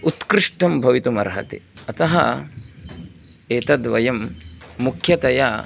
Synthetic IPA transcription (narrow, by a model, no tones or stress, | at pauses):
ut̪kɾɪʂʈɐmbʱɐʋit̪umɐ̰ɾɦɐ̰t̪ḭɐt̪ɐɦɐ̰ | eːt̪ɐd̪ʋɐjɐmːukʰjɐt̪ɐja